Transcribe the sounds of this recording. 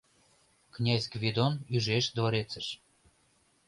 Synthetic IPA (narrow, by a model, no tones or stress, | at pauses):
knʲæzʲɡvʲed̪onyʒeʃd̪voɾet͡sə̆ʃ